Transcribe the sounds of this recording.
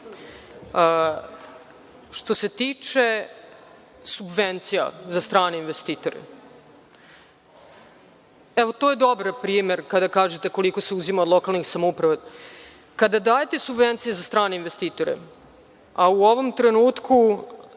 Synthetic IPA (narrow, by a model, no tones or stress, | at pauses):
ʃt̪o̞se̞t̪it͡ʂe̞ | subʋent̪sija̰zast̪ɾaːneinʋest̪iːt̪o̞ɾḛ | ɛʋo̞t̪oje̞d̪obɾpɾiːme̞ɾkad̪akaːʒet̪eko̞liko̞seuzimaod̪lo̞kalˠnixsamoupɾaʋa | kad̪ad̪aːjet̪e̞subvent̪sijezast̪ɾaːneinʋest̪iːt̪o̞ɾḛ | auo̞ʋo̞mt̪ɾenuːt̪kʰu